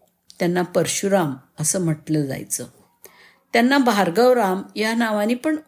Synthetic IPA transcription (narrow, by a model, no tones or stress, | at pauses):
t̪janːapəɾɕuɾaməsəːm̤əʈləd͡za̰jt͡sə | t̪janːabʱaɾɡəwɾamjanaʋãnipəɳ